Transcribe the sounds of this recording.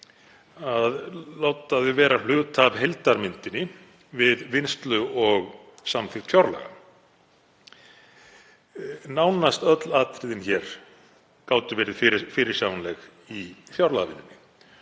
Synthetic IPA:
aðloːwt̪aðʏvɛːɾal̥ʏːɣt̪ʰavɦejlt̪aɾmɪnt̪ɪnɪ | vɪðvɪnst̪lʏɔɣsamθɪxt̪fjawɾla̰ɣa̰ | naːwnast̪œt̪laːt̪ɾɪðɪnçɛɾ̥ | kaːwt̪ʏvɛːɾɪðfɪɾfɪːɾɪɾ̥sjawnlɛɣ | iθjawɾlaɣavɪnːɪnːɪ

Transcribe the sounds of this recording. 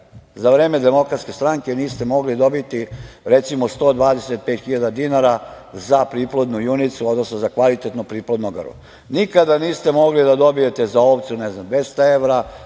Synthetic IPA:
zaʋɾeːme̞d̪e̞mo̞kɾat̪skʲe̞st̪ɾaŋke̞niːst̪e̞mo̞ɡlid̪o̞bit̪iɾet̪simost̪o̞ːd̪ʋaːd̪e̞set̪̚peːt̪xiʎad̪ad̪inaɾa | zapɾiːplˠod̪nujunit̪suo̞d̪nosnozakʋalit̪et̪nopɾiːplˠod̪noɡ̰rɾṵ | nikad̪aniːst̪e̞mo̞ɡlid̪ad̪o̞bije̞t̪e̞zaopt̪suneznamd̪ʋest̪aeʋɾa

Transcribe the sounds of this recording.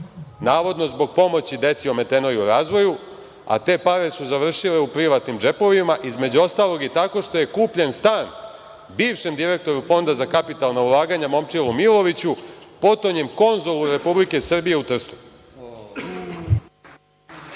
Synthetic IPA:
naːʋo̞d̪no̞zbo̞ɡ̚po̞mo̞t͡ɕid̪e̞t̪sio̞me̞t̪e̞no̞jeuɾaːzʋo̞ju | a̰t̪e̞ːpaɾe̞suzaʋr̩ʃile̞upɾiʋat̪nimd͡ʒe̞po̞ʋimaʔizme̞d͡ʑuo̞st̪alo̞ɡjet̪ako̞ʃt̪o̞je̞kuːpʎe̞nst̪aːn | biːʋʃe̞md̪iɾe̞k̚t̪o̞ɾufo̞nd̪azakapit̪alˠnaulˠaːɡaɲamo̞mt͡ʃilˠumilˠo̞ʋit͡ɕupo̞t̪oɲe̞mko̞nzo̞luɾe̞publike̞sr̩bije̞ut̪r̩st̪u̥

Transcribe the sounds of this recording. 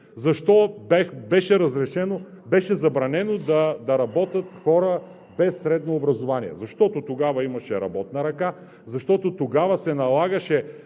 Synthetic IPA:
zɐʃt̪ɔbɛbɛʃɛɾɐzɾɛʃɛno | bɛʃɛzɐbɾɐnɛnod̪ɐd̪ɐɾɐbɔt̪ət̪xɔɾə | bɛsːɾɛd̪noːbɾɐzovaniɛ̰zɐʃt̪ɔt̪ot̪oɡavɐimɐʃɛɾɐ̰bɔt̪nɐɾɐka | zɐʃt̪ɔt̪ot̪oɡavɐsɛnɐlˠaɡəʃɛ

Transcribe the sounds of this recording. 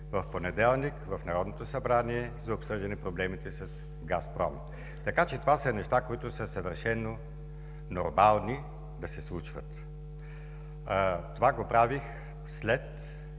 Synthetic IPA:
vɐfponɛd̪ɛlˠnikvɐfnɐɾɔd̪not̪osɐbɾaniɛzɐopsɤʒd̪ɛnɛpɾoblɛmit̪ɛsɐs | ɡaspɾɔ̰m | t̪ɐkat͡ʃɛt̪ovasənɛʃt̪akoit̪ʊsəsɐvəɾʃɛnːo | noɾmalˠni | d̪ɐsɛslˠut͡ʃvə̰t̪ | t̪ovaɡopɾavix | slɛt̪

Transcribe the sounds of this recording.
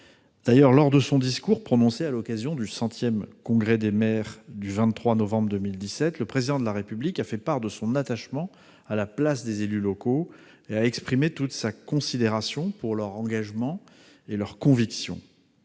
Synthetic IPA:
d̪̥ajœʁlɔʁd̪əsɔ̃d̪iskuʁpχɔnɔ̃sealɔkazjɔ̃d̪ysɑ̃t̪jɛmkɔ̃ɡʁɛd̪emɛʁd̪yvɛ̃t̪ːχwanɔvɑ̃bʁd̪əmild̪isɛt̪ləpχezid̪ɑ̃d̪əlaʁepyblikafɛpaʁd̪əsɔ̃nat̪aʃmɑ̃ | alaplas̬d̪ezelylɔko | eaɛkspχimet̪ut̪sakɔ̃sid̪eʁasjɔ̃puʁlœʁɑ̃ɡaʒmɑ̃ | elœʁkɔ̃viksjɔ̰̃

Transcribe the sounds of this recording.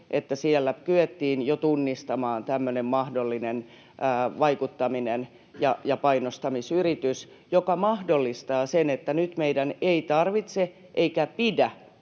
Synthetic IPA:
ʔet̪ːæsielːækyet̪ːiːnjot̪unːist̪ɑmɑːnt̪æmːønemmɑhdolːinenː | ʋɑikut̪ːɑminen | jɑjɑpɑinost̪ɑmisyrit̪ys | jokɑmɑhdolːist̪ɑːsenet̪ːænyt̪meidæneit̪ɑrʋit̪se | ʔeikæpidæ

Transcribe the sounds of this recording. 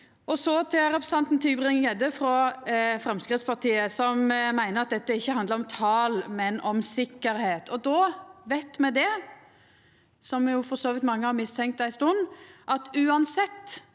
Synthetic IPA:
ʔɔsɔt̪ʰɛɾɛpɾəsɑnt̪n̩t̪ʰyːbɾɪŋjɛd̪əfɾɔfɾɛmskɾɪt̪spʰɑt̪ʰiːəsɔmmæɪnəɾɑt̪̚d̪ɛt̪ːəɪçːəhɑnd̪ləɾɔmt̪ʰɑːlmɛnɔmsɪkːəɾheːt̪ʰɔd̪ɔʋæɪt̪mɛd̪ɛ | sɔmjʊfɔɾsoːʋɪt̪mɑŋːəhɑɾmɪst̪ʰɛŋkt̪æɪst̪ʊnːʔɑt̪ʉːɑnsɛt̪ː

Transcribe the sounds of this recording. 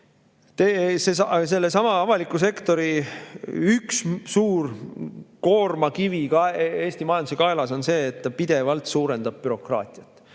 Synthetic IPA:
t̪esesɑse̞lːe̞sɑmɑɑvɑlikːˑuse̞kt̪o̞ɾi | ykssuːr | ko̞ːrmɑkivikɑeeːst̪imɑjɑnd̪us̬e̞kɑelɑso̞nse̞ːt̪ːɑpid̪e̞vɑlt̪suːɾe̞nd̪̥ɑb̥̚pyɾo̞krɑ̰ːt̪ʲˑiɑt̪ːˑ

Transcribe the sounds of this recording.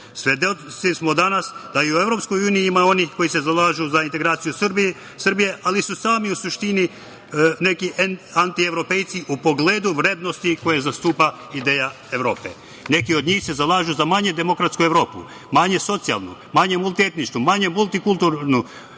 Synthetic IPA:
sʋed̪esismod̪anasd̪aiue̞ʋɾo̞psko̞juːnijiimao̞nixko̞jise̞zalaːʒuzaint̪e̞ɡɾaːt̪sijusrbi | srbijeʔalisusaːmiusuʃt̪ini | ne̞kiʔant̪ieʋɾo̞pe̞jt̪siʔupo̞ɡleːd̪uʋɾeːd̪no̞st̪iko̞jezast̪uːpa | id̪eːja | eʋɾo̞ːpḛ | ne̞kio̞d̪ɲiːxse̞zalˠaːʒuzamaɲed̪e̞mo̞kɾat̪skueʋɾo̞ːpṵ | maɲe̞so̞t̪sia̰lˠnṵmaɲemulˠt̪iet̪nit͡ʃnumaɲe̞mulˠt̪ikulˠt̪uɾnu

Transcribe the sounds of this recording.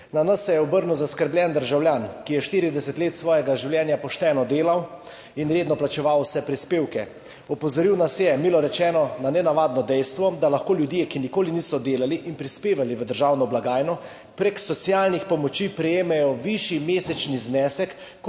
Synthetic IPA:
nanəsːɛjɛɔbəɾnuzaskəɾbljɛnd̪əɾʒawljaːnkijɛʃt̪iːɾid̪ɛsət̪leːt̪sʋɔːjɛɡaʒiwljɛnjapɔʃt̪ɛːnɔd̪eːlaw | inɾeːd̪nɔplat͡ʃɛʋawsɛpɾispeːwkɛ | ɔpɔzɔɾiwnasjɛmiːlɔɾɛt͡ʃɛːnɔnanɛnaʋaːd̪nɔd̪ɛjst̪ʋɔd̪alaxkoːljud̪jekinikoːliniːsɔd̪eːlaliʔinpɾispeːʋaliʋəd̪əɾʒawnɔblaɡaːjnɔ | pɾeksɔt̪sijaːlnixpɔmɔt͡ʃipɾɛjeːmɛjɔʋiʃimeːsɛt͡ʃniznɛːsɛkː

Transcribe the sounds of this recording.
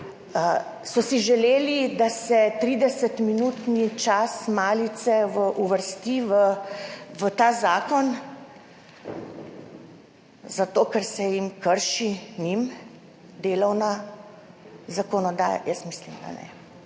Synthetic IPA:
ə | sɔsiʒɛleːlid̪asɛt̪ɾiːd̪ɛsət̪minuːt̪nit͡ʃasmaːlit̪sɛʋəʔuʋəɾst̪iʋə | ʋət̪aːzaːkɔn | zat̪oːkɛɾsɛjimkəɾʃinim | d̪eːlɔwna | zakɔnɔd̪a̰ːja̰jəsmislimd̪a̰nɛ̰

